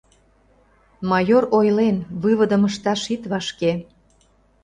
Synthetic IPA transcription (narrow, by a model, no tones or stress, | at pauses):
mɑjoɾojlenβɨβə̆d̪ə̆məʃt̪ɑʃit̪βɑʃke